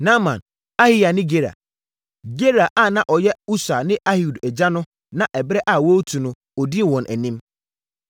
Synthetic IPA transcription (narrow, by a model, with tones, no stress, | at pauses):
nã˦mã̰˨n | a˦hi˦ja˨nɪ̃˦ɡe˦ɾa̰˨ | ɡe˦ɾa˨ʔa˦˨nã˦ʔɔ˨jɛ˦u˦sa˨nɪ̃˦ʔa˦hu˨dɛ˨d͡ʑa˦nʊ̃˦ | nã˨ʔɛ˨bɾɛ˦ʔa˦˨wo˦tʰũ˨nʊ̃˨ | ɔ˨di˦˨wɔ̃˨nʔæ̰˨nĩ˦m